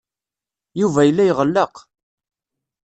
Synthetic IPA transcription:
juvæjəlːæjʁəlːəq

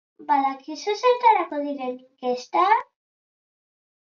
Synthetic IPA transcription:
balakisosalt̪aɾakoðiɾeŋkest̪a

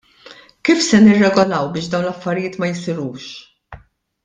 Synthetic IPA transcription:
kiːfsɛnɪrːɛɡɔlɐwbɪːʃd̪ɐwnlɐfːɐɾɪjɪːt̪mɐjɪsɪɾuːʃ

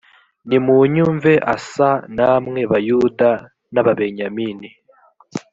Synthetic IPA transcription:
nimuɲuɱve̞ʔa̰sanamŋe̞βajuda | naβaβe̞ɲamini

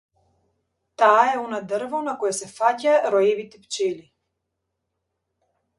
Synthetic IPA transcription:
t̪aːɛɔnad̪rvanakɔjasɛfacaɾɔjɛvit̪ɛpt͡ʃɛli

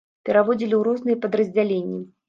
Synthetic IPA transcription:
pʲɛɾavɔd͡zʲilʲiwɾɔznɨjɛpɐd̪ɾɐzʲd͡zʲalʲenʲːi

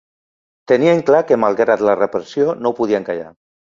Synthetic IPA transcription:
t̪ənieŋklakemalˠɣɾat̪larepɾesjonopuð̞ieŋkaʎa̰

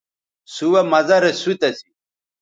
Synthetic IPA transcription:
suwɐmɐzɐɾesut̪ɐsi̥

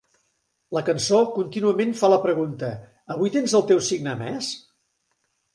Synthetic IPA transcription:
ləkənsokunt̪inuəmenfaləpɾəɣ̞unt̪əː | βujt̪enzəlˠt̪ewsiɡnəmɛ̰s

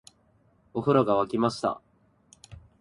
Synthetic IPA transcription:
oɸɯ̟ɾaɡaβakʲimaɕi̥t̪a̰

